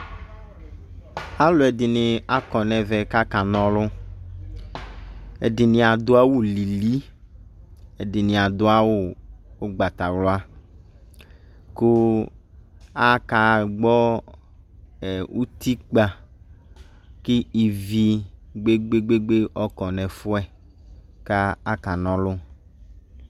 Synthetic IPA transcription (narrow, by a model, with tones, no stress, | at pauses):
a˦lʊ˨˦ɛ˨dɪ˨nɪ˨a˦kɔ˨nɛ˨vɛ˨ka˦ka˨nɔ̃˦lʊ˦ | ɛ̰˨dɪ˨nɪ̃˨a˨d̪ʊ˦a˦wu˦˨li˨li˦ | e˨dɪ˨nɪ̃˨a˨d̪ʊ˦a˦wʊ˦o˦ɡ͡ba˨t̪a˨wlʊ˦a˦ | kʊ˦ | a˦ka˨ɡ͡bɔ˦ | ɛ˨wu˦t̪i˦k͡pa˨ | kɪ˦i˨vi˦ɡ͡be˦ɡ͡be˦ɡ͡be˦ɡ͡be˦ʔɔ˦kɔ˨nɛ̃˨fʊ˦ɛ˨ | ka˦a˦ka˨nɔ̃˨lʊ˦